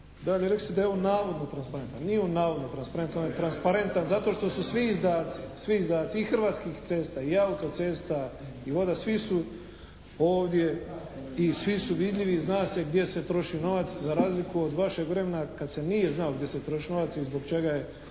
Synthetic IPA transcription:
d̪aʎeɾe̞kli̥st̪ed̪ajeonaːʋo̞d̪not̪ɾanspaɾe̞nt̪anːnionnaːʋo̞d̪not̪ɾanspaɾe̞nt̪nonet̪ɾanspaɾe̞nt̪anzat̪oʃt̪o̞susʋiːzd̪aːt̪sisʋiizd̪aːt̪siixr̩ʋaːt̪skixt̪se̞ːst̪aiaut̪o̞t̪se̞ːst̪a | iʋo̞d̪asʋisu | oːʋd̪je̞ | isʋisuʋid̪ʎʲiʋiznaːseɡd̪je̞se̞t̪ɾo̞ʃino̞ʋat̪szaɾaːzlikuod̪ʋaʃe̞ɡʋɾe̞me̞nakad̪se̞nije̞znaoɡd̪je̞set̪ɾo̞ʃino̞ʋat̪sizbo̞ɡt͡ʃe̞ɡaje

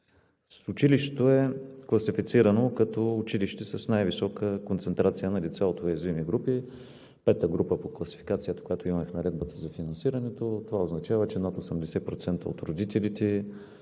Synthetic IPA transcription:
sʊt͡ʃiliʃɛt̪oɛklˠɐsifit̪siɾɐnokɐt̪ɔːt͡ʃiliʃt̪ɛsɐsnajvisɔkəkont̪sɛnt̪ɾat̪sijənɐlit̪sɛot̪ojɐzvimiɡɾupi | pɛt̪əɡɾupəpoklˠɐsi̥fi̥kat̪sijət̪ə̥kojat̪oimɐmɛfnɐɾɛd̪̚bət̪əzɐfinɐnsiɾɐnɛt̪ot̪ovaoznɐt͡ʃavət͡ʃɛd̪at̪osəmd̪ɛsɛpɾot̪sɛnt̪əo̰t̪ɾod̪it̪ɛlit̪ɛ

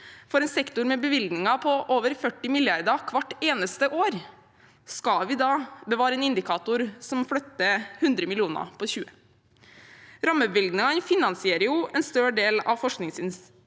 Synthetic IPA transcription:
fɔɾɛːnsɛkt̪ʊɾmɛbəʋɪld̪nɪŋɑpʰɔʔoːʋəɾfœʈːɪmɪljɑɾd̪ɑkʰʋɑʈːeːnəst̪əʔoːɾ | skɑʋɪːd̪ɑːbəʋɑːɾəeːnɪnd̪ɪkʰɑːt̪ʊɾsɔmflœt̪ːəhʉnd̪ɾəmɪlɪuːnɑ̰pʰɔçʉːə | ɾɑmːəʋɪld̪nɪŋɑnfɪnɑnsɪeːɾəjʊʔɛnst̪øːɖeːlɑʋfɔʂknɪŋsɪns

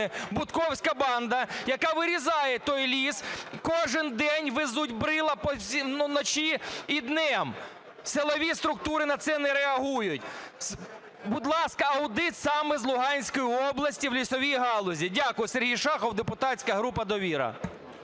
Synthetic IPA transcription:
ɪbʊt̪kɔwsʲkɐbɑnd̪ɐjɐkɑʋɪɾʲizɑjɛt̪ɔjlʲiskɔʒɪnd̪ɛnʲʋɪzutʲbɾɪlˠɐpɔsʲinnɔt͡ʃʲiid̪nɛm | selˠɔʋʲist̪ɾʊk̚t̪uɾɪnɐt̪sɛnɛɾeɐɦujʊtʲs | bʊd̪lˠɑskɐɐʊd̪ɪt̪sɑmɛzlˠʊɦɑnʲsʲkɔjiɔblˠɐsʲtʲiwlʲisɔʋʲijɦɑlˠɔzʲidʲakʊjɪserɦijʃɑxɔwd̪epʊt̪ɑsʲkɐɦɾupɐd̪ɔʋʲiɾɐ̰

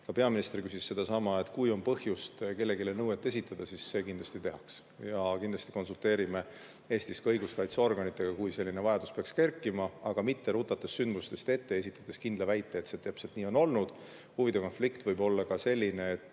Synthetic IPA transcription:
kɑpe̞ɑminist̪erkysisːe̞d̪̥ɑsɑmɑe̞t̪ˑkujo̞npɤhjust̪ke̞lːe̞ɡilenɤwe̞t̪ːe̞sit̪ːˑɑd̪ɑsisːe̞ːkind̪lɑst̪it̪e̞ɦɑks | jɑkind̪lɑst̪i̥ko̞nsult̪e̞ːɾime̞ | e̞ːst̪iskɤjɡuskɑjt̪seo̞rɡ̥ɑnit̪ːˑe̞ɡ̥ɑkujse̞lːinevɑjɑd̪̥uspe̞ɑkske̞rkːˑimɑɑɡ̥ɑmit̪ːe̞ɾut̪ˑɑt̪ːˑe̞sːynd̪must̪e̞st̪e̞t̪ːe̞esit̪ːˑɑt̪ːˑeskind̪lɑvæjt̪ːˑeːt̪se̞t̪æpse̞lt̪niːo̞no̞lnud̪̥ | huvid̪e̞ko̞nflikt̪vɤjbo̞lːɑkɑse̞lʲːine̞ːt̪ːˑ

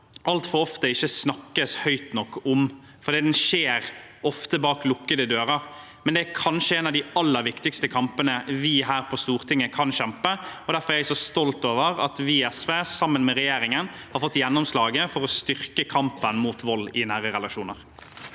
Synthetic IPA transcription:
ʔɑlt̪fɔɾɔft̪əɪçːəsnɑkːəshœʏt̪nɔkːʊm | fɔɾd̪iːd̪ɛnʃeːɾɔft̪əbɑːklʊkːəd̪əd̪øːɾɑɾ | mɛnd̪ɛækʰɑnʂəɛːnɑʋd̪ɪɑlːəɾʋɪkt̪ɪkst̪əkʰɑmpənəʋɪɦæːɾpʰɔst̪uːɾt̪ʰɪŋːəkʰɑnɕɛmpəɔd̪æɾfɔɾɛɾɛsɔst̪ɔlt̪oːʋəɾɑ̰t̪ʋiːɛsʋeːsɑmːənmɛʁɛjeːɾɪŋən | hɑɾfɔt̪ːjɛnːɔmslɑːɡəfɔɾɔst̪ʏɾkəkʰɑmpənmuːt̪ʋɔlːɪnæːɾəɾɛlɑʂuːnəɾ

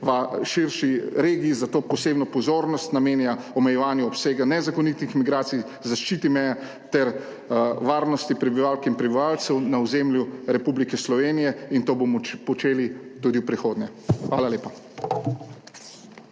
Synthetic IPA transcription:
ʋaʃiɾʃiɾeːɡiːzat̪oːpɔseːbnɔpɔzoːɾnɔst̪nameːnjaɔmɛjɛʋaːnjuɔpseːɡanɛzakɔnit̪ixmiɡɾaːt̪sij | zaʃt͡ʃit̪imɛja | t̪ɛɾ | ʋaːɾnɔst̪ipɾɛbiʋaːlkinpɾɛbiʋaːlt̪sɛwnaɔzemljuɾɛpublikɛslɔʋeːnijɛint̪oːbɔmɔpɔt͡ʃeːlit̪ud̪iwpɾixoːd̪nɛxʋaːlaleːpa

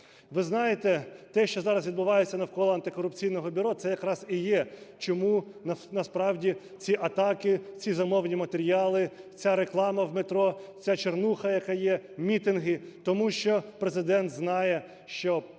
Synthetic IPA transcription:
ʋɪznɑjet̪ɛt̪ɛʃt͡ʃɔzɑɾɐsʋʲid̪bʊʋɑjet͡sʲːɐnɐwkɔlˠɔɐnt̪ɪkɔɾʊpt͡sʲijnɔɦɔbʲʊɾɔt̪sɛjɐkɾɑz̥ijɛt͡ʃɔmunɐnɐspɾɑwdʲi | t͡sʲiʔɐt̪ɑkɪt͡sʲizɐmɔwnʲimɐt̪eɾʲijɑlˠɪt͡sʲaɾeklˠɑmɐwmet̪ɾɔt͡sʲat͡ʃernuxɐjɐkɑjɛmʲit̪ɪnɦɪt̪ɔmuʃt͡ʃɔpɾezɪd̪ɛnt̪znɑjɛ | ʃt͡ʃɔ

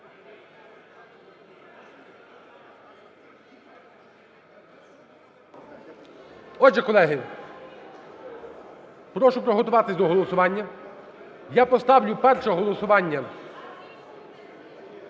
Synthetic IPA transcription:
ɔd͡ʒɛkɔlˠɛɦɪ | pɾɔʃʊpɾɔɦɔt̪ʊʋɑt̪ɪsʲd̪ɔɦɔlˠɔsʊʋɑnʲːɐ | japɔst̪ɑwlʲʊpɛrʃɔɦɔlˠɔsʊʋɑnʲːɐ

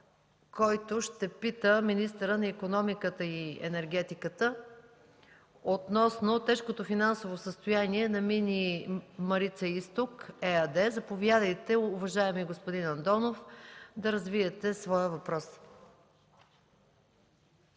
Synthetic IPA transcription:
kɔjt̪oʃt̪ɛpit̪əminist̪əɾənɐikonɔmikət̪əiɛ̰nɛɾɡ̟ɛt̪ikət̪ə | ot̪nɔsnot̪ɛʃkot̪ofinansovosəst̪ojaniɛnɐminʲimɐɾit̪səist̪okɛɐd̪ɛzɐpovjad̪əjt̪ɛʊvɐʒaɛmiɡospod̪inɐnt̪ɔnofd̪ɐɾɐzviɛt̪ɛsvɔjəvɐpɾɔs

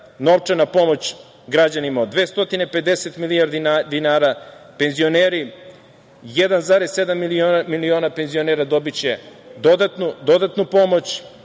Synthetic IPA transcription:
no̞ʋt͡ʃanapo̞mo̞t͡ɕ | ɡɾad͡ʑanimaod̪ʋe̞ːst̪o̞t̪inepe̞d̪eset̪milijaɾd̪id̪inaːɾape̞nzio̞neːɾi | jed̪anzaɾese̞d̪amːilionamilio̞nape̞nzio̞neːɾad̪o̞bit͡ɕed̪o̞d̪at̪nud̪o̞d̪at̪nupo̞mo̞t͡ɕ

